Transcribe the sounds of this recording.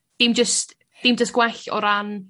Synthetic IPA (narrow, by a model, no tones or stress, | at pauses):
d̥imd͡ʒəst | d̥imd͡ʒəsɡ̥wɛɬɔ̰ɾan